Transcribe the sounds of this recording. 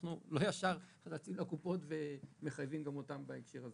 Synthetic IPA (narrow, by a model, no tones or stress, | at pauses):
χnulo̞jaʃaʁhatat͡simlakupo̞tvemeχajvimɡamo̞tambaekʃeʁaze